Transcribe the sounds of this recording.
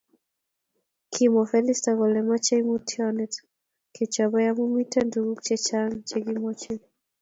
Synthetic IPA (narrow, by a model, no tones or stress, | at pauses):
kʰimɔfɛlistaɣɔlɛmat͡ʃɛimutʰjɔnɛt | kɛt͡ʃabɔjamumitɛnduɡukt͡ʃɛt͡ʃaŋt͡ʃɛɡimɔt͡ʃɛ